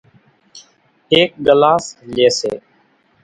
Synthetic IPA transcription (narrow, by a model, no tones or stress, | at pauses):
ɦeːk̚ɡəlaːsleːsḛː